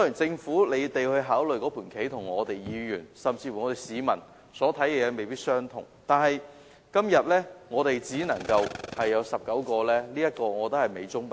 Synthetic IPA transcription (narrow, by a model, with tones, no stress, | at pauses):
sɔː˦˥i˨˩nt͡sɪ˧ŋfuː˨˥le˨˧jt̪e˨jhɵ˧ɥɦaː˨˥wlɵ˨ɥkɔː˨˥pʰuː˨˩nkʰe˨˥jt̪ʰʊ˨˩ŋŋɔː˨˧t̪e˨jjiː˧jy̰ː˨˩nsɐ˨mt͡siː˧fŋɔː˨˧t̪e˨˩jsiː˨˧mɐ˨˩n | sɔː˨˥t̪ʰɐ˨˥jkɛː˧jɛː˨˧me˨jpiː˥t̚sœː˥ŋt̪ʰʊ̰˨˩ŋt̪aː˨nɦɐ˨j | kɐ˥mjɐ˨t̚lɛː˥ŋɔː˨˧t̪e˨jt͡siː˨˥nɐ˨˩ŋkɐ˧whɐ˨jːɐ˨˧wsɐ˨p̚kɐ˨˥wkɔː˧lɛː˥liː˥jɐ˥t̚kɔː˧ŋɔː˨˧t̪o˥hɐ˨˩jme˨˧jt͡sʊ˥ŋp